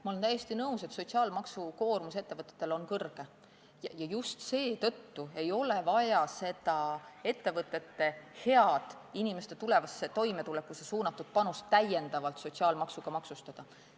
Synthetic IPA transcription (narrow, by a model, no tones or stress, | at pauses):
mɑole̞nt̪æje̞st̪inɤuse̞t̪so̞t̪siɑːlmɑksuko̞ːrmuse̞t̪ːe̞vɤt̪ːˑe̥t̪ːˑe̞lo̞nkɤrɡ̥e | jɑjɑjust̪se̞ːt̪ɤt̪ːue̞jo̞le̞vɑjɑse̞d̪ɑe̞t̪ːe̞vɤt̪ːˑe̞t̪ːe̞he̞ɑd̪̥inime̞st̪e̞t̪ule̞vɑsːe̞t̪o̞jme̞t̪ulekːˑusesuːnɑt̪ːˑud̪̥̚pɑnust̪ːæje̞nd̪̥ɑvɑlt̪so̞t̪siɑːlmɑksuɡ̥ɑmɑksust̪ɑd̪̥ɑ